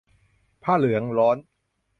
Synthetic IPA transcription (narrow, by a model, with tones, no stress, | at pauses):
pʰaː˥˩lɯ˨˩˦əŋlɔː˦˥n